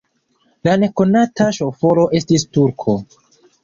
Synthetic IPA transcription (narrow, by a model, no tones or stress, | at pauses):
lane̞ko̞nataʃo̞fo̞lo̞ʔe̞stistuɾkʰo̞